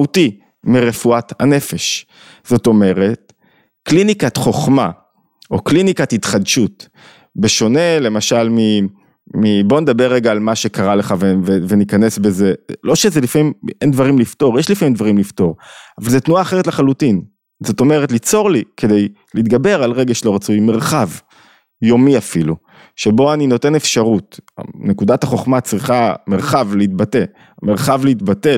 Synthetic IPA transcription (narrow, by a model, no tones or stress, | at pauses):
uti | miʁe̞fuat̪ha̰ne̞fe̞ʃ | z̥o̞t̪o̞me̞ʁe̞t | klinikat̪χo̞χma | o̞klinikathit̪χadʃut̪ | beʃo̞ne̞le̞maʃalmi | mibo̞ned̪abeʁːeɡaːlmaʃekaʁale̞χavevevenikane̞sbe̞ze̞lo̞ʃezelifamimend̪vaʁimlifto̞ʁjeʃlifamimd̪vaʁimlifto̞ʁavalzetnuaːχeʁetleχalutin | zo̞to̞meʁetlit͡so̞ʁlikʰe̞d̪ej | liit̪̚ɡabe̞ʁalʁeɡaʃelo̞ʁat͡sujmeʁχav | jo̞miafilu | ʃebo̞anino̞t̪e̞nefʃaʁuta̰ne̞kud̪ataχo̞χmat͡sʁiχameʁχavleit̪bate̞ | meʁχavliitbate